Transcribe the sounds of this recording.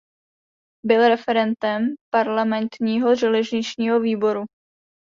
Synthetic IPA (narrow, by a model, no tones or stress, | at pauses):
bɪlɾɛfɛɾɛnt̪ɛmpaɾlamɛnt̪ɲiːɦo̞ʒɛlɛʒɲɪt͡ʃɲiːɦo̞viːbo̞ɾu